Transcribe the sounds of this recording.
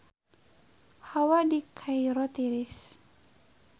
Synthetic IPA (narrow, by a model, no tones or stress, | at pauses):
hawadikʰajɾɔt̪iɾɪs